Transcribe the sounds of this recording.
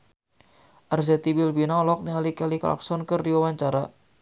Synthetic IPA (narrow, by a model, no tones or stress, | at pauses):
ʔarzɛt̪ibilbinaɔlɔk̚nialikɛlika̰lk̚sɔnkɨrdiwawaɲt͡ʃaɾa